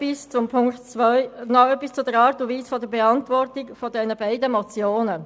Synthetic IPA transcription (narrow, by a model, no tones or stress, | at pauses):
ist͡sʊmpʰʊŋktt͡sʋœʏnɔœpːist͡sʊdəɾɑːɾtuʋiːsfodəɾbɛɑntʋɔɾtɪkfɔdɛnəbaɪdəmɔt͡sjoːnə